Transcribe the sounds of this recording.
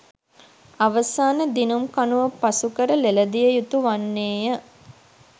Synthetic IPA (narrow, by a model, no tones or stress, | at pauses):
aʋəsaːnəd̪inumkanuʋəpasukəɾəleləd̪ijəjut̪uʋanːeːjə